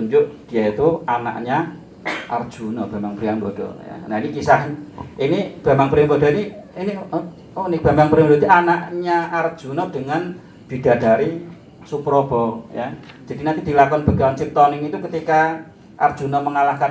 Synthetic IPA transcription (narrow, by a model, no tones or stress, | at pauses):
uɲd͡ʒʊʔd̥i̤jait̪uana̰ʔɲa | ʔa̰rd̥ʒ̥unɔb̥a̤mbaŋpɾiaŋbɔd̥ɔ̰ja̰nainikisaɦʔinib̥a̤maŋpɾiaŋbɔd̥ɔ̤iniini | unɪk̚b̥a̤mbaŋpɾiamdɔt̪iʔanaʔɲaːrd̥ʒ̥ṳnɔd̥əŋan | b̥id̥a̤d̥aɾi | supɾɔb̥ɔjḁd͡ʒ̥a̤d̥inant̪id̪̥ilakɔnb̥ə̤ɡawnsip̚t̪ɔnɪŋit̪ukət̪ika | ʔard̥ʒ̥unɔməŋalahkan